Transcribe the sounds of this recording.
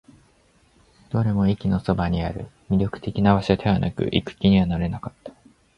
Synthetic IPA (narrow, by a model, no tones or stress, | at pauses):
d̪̥o̞ɾe̞mo̞ikʲino̞so̞baɲ̟iaɾɯ̟̰mʲiɾʲo̞kɯ̟̥t̪e̞kʲinaβaɕiat̪ʰeβanʔa̰kɯ̟̰ʔḭkɯ̟̥kʲiɲ̟iβanaɾe̞nakat̪ːḁ